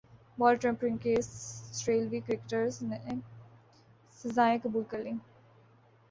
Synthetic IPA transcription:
ʋɔːlʈɾɛ̃mpɾɪ̃ŋkeːsʈɾeːlʋiːkɾɪkʈəɾzne | səzaːẽkɐbuːlkɐɾlĩː

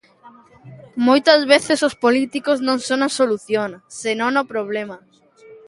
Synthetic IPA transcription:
mojt̪ɐzβeθesospolit̪ikoznõŋsõŋnɐsoluθjoŋsenõŋnopɾoβ̞lemɐ

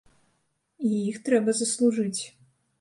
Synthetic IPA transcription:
ijixt̪ɾɛbɐzɐslˠuʐɨt͡sʲ

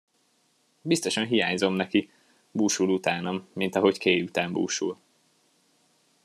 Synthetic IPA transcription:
bist̪o̞ʃɒnɦijaːɲzo̞mnɛki | buːʃulut̪aːnomːint̪ɒɦo̞ckeːjut̪aːmbṵːʃṵl

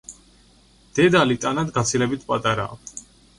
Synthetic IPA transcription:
d̪̥ɛd̪alit̪ʼanad̪ɡat̪sʰilɛbit̪ʰpʼat̪ʼaɾa̰ːk

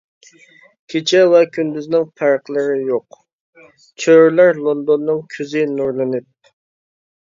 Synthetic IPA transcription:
kʲʰet͡ʃʰɛwɛkʲʰynd̪yznɪŋpʰæɾqlˠɨɾɪjoq | t͡ʃʰøɾlæɾlˠond̪onːɨŋkʲʰyzɪnuɾlˠɨnɨp̚

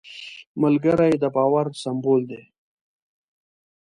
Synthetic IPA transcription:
məlɡəɾajd̪əbɑːwaɾsamboːld̪e

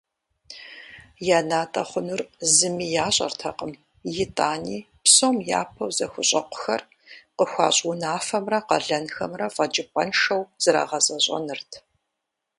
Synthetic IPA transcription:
jaːnaːtʼɐχʷʊnʊrzɨmiːjaːɕʼɐ̰rtʰɐqʼəm | jɪtʼaːniː | psomja̰ːpʰɐwzɐxʷʊɕʼɐqʷʊ̥xɐr | qəxʷɑ̰ːɕʼʊnaːfɐmrɐqɐɮɐnxɐmrɐfɐd͡ʒʼɪpʼɐnʂɐwz̥ɨɾa̰ːʁɐzʼɐɕʼɐ̰nɨrtʰ

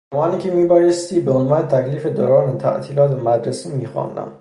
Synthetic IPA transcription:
zæmɒːniːcʲʰemiːbɒːjest̪iːbeonvɒːnet̪ʰæcʰliːfe̞d̪o̰ːɾɒːnet̪ʰæ̰ʔt̪ʰiːlɒːt̪emæd̪ɾesiːmiːxɑ̰nd̪æ̰m

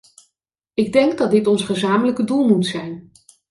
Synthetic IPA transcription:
ɪɡ̚dɛŋɡ̚dɑt̚dɪtɔnsχəzaːmələkədulˠmutsɛjn

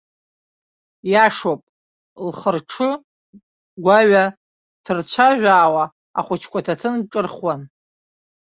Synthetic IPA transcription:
jaʂopʼ | lχərʈ͡ʂʰɨ | ɡʷaɥa | tʰɨrt͡ɕʷʰaʒʷᶣaːwa | a̰χʷʊt͡ʃʰkʷʼatʰatʰɨnʈ͡ʂʼɨrχwan

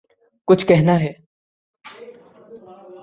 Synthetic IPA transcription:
kʊt͡ʃʰkɛɦnaɦɛː

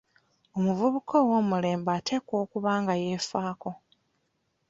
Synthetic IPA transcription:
omuvuβukʰo̞wo̞ːmule̞ːmbaːte̞ko̞ːkuβaːŋɡaje̞ːfaːko̞

